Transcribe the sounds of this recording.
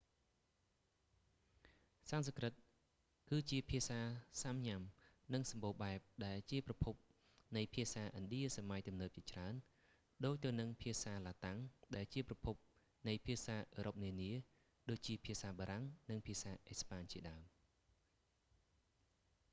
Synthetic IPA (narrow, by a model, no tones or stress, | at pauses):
sansɑkrɨt̪̚ | kɨːt͡ɕiəpʰiəsaːsamɲam | nɨŋsɑmɓoːɓaɛp̚ɗaɛlt͡ɕiəprɑpʰup̚ | nɨjpʰiəsaːʔənɗiəsamajt̪umnəːp̚t͡ɕiət͡ɕraən | ɗoːc̚t̪ɨwnɨŋpʰiəsaːlaːt̪aŋɗaɛlt͡ɕiəprɑpʰup̚ | nɨjpʰiəsaːʔəːɾʔop̚niəniə | ɗoːc̚t͡ɕiəpʰiəsaːɓaːɾaŋnɨŋpʰiəsaːʔespaːɲt͡ɕiəɗaəm